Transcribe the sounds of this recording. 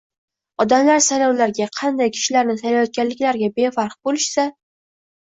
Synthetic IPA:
ɒd̪amlaɾsajlɒwlaɾɡʲaqʰɑnd̪ajkʲʰɪ̥ʃɪlaɾnɪsʰajlajɒt̪̚ɡʲanlɪkʲlaɾɡʲabefaɾqbolɪʃsa

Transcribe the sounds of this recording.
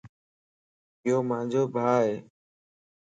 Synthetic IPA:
ɪjoːmãːnd͡ʒoːbʱaːɦeː

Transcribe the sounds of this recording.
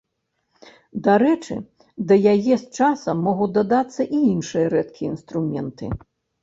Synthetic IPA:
d̪aɾɛt͡ʂɨ̰ | d̪ɐjajɛst͡ʂasɐmːɔɣud̪ɐd̪at̪sːɐʔiinʂɨjɐɾɛt̪̚kʲiinst̪ɾumʲɛnt̪ɨ̰

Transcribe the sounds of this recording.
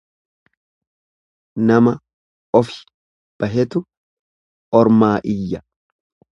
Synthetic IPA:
nɐmɐ | ɔfɪ̥ | b̥ɐɦɛt̪ʊ | ɔɾmaːʔɪjːɐ

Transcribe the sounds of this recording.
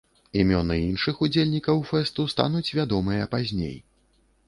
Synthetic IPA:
imʲɔnɨinʂɨxud͡zʲelʲnʲikɐwfɛst̪ust̪a̰nut͡sʲvʲad̪ɔmɨjɐpazʲnʲḛj

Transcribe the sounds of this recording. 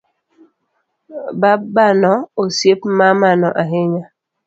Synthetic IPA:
babanɔosjepmamanɔʔaɦeɲa

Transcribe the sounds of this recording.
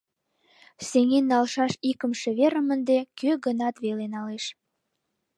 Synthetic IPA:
seŋenːɑlʃɑʃikə̆mʃĕβeɾə̆mənd̪ekøɣənɑt̪βelenɑleʃ

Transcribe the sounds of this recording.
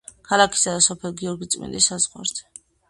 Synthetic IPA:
kʰalakʰi̥sad̪asɔpʰɛlˠɡiɔɾɡit̪sʼmḭnd̪isazʁwa̰ɾzɛ

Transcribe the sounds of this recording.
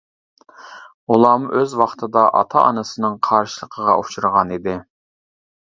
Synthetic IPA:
ulˠɑːmuʔøzwɑχt̪ʰɨd̪ɑʔɑ̰t̪ʰɑʔɑnɨsɨnɨŋqʰɑɾʃɨlˠəqʰəʁɑʔut͡ʃuɾəʁɑnid̪ɪ

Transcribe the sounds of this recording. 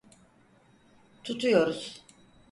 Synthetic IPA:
t̪ʰut̪ʰujo̞ɾuz̥

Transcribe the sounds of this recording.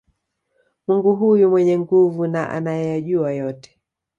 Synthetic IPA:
muŋɡuɦujumwɛɲɛŋɡuvunaʔa̰najɛjaʄuajɔtɛ̥

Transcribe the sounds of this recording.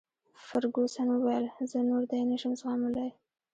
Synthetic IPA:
faɾɡosanwəwajəlzənoɾd̪ajnaʃəmzɣɑmʊlaj

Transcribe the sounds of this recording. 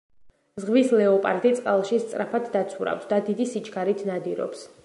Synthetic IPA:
zʁvislɛɔpʼaɾd̪it̪sʼqʼalˠʃist̪sʼɾapʰat̪ʰd̪at̪sʰuɾa̰fsd̪ad̪id̪isit͡ʃʰʼkʰaɾit̪ʰnad̪iɾɔ̰ps

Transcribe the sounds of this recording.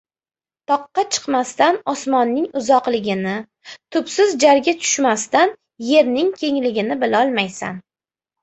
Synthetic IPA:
t̪ʰɒqːɑt͡ʃʰɨ̥qmast̪anɒsmɒnːɪŋʊzɒqlɪɡʲɪnɪ | t̪ʰʊpsɪzd͡ʒaɾɡʲat̪ʰʊ̥ʃmast̪an | je̞ɾnɪŋkʲʰe̞ŋlɪɡʲɪnɪbɪlaɒlˠmajsa̰n

